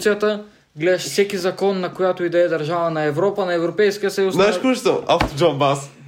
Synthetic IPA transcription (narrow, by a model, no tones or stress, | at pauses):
t̪sijət̪ə | ɡlɛd̪ɛʃfsɛkizɐkɔnːɐkojat̪oid̪ɐɛd̪ɐɾʒavɐnɐɛvɾɔpɐnɐɛvɾopɛjskijəsɐjusnaʃkut͡ʃt̪oaft̪od͡ʒɔnbas